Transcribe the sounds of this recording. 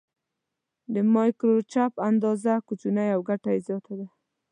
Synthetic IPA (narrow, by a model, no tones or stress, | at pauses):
d̪əmɑjkɾot͡ʃapand̪ɑzakut͡ʃunajawɡaʈajzjɑt̪ad̪a